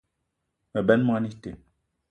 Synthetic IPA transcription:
mɛ˨bɛ˦nm˦a˦ni˦te˨

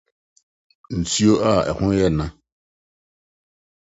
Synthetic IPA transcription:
n̩˨tʰi˦o˦ʔa˦˨ɛ̰˨kʰʊ̃˦jɛ˦˨nã˦

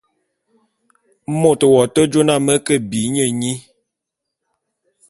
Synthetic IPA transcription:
mo˦˨tə˨wɔ˨tə˦d͡ʒo˦na˦˨mə˦kə˦bi˨˦ɲə˦˨ɲi˦

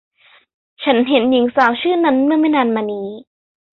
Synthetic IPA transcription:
t͡ɕʰa˦˥nɦe˩˦nji˩˦ŋsaː˩˦wt͡ɕʰɯː˥˩na˦˥nmɯ˥˩ɐma˥˩jnaː˧nmaː˧niː˦˥

